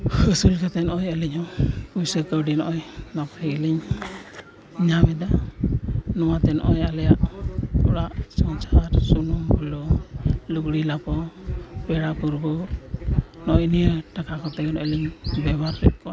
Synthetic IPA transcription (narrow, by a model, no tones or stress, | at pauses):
həsulkat̪ɛnɔʔɔjəliɲɔpujsəkəwɖinɔʔɔjnapʰɾɛɡəliɲ | ɲamɛd̪a | nɔwat̪ɛnɔ̰ʔɔjalɛjaʔkɔɽaʔsɔŋt͡ʃaɾsunɔmbʱɔlɔluɡɽilapɔbɛɽapuɾbɔ | nɔʔɔjnijəʈakakɔt̪ɛkɔnɔʔɛliɲbɛbaɾːɛp̚kɔa